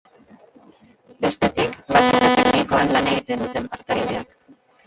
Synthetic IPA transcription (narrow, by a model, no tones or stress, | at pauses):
be̞st̪e̞t̪ikbat͡sutet̪eniko̞anlane̞ɣit̪e̞nd̪ut̪e̞mpaɾt̪ajð̞e̞ak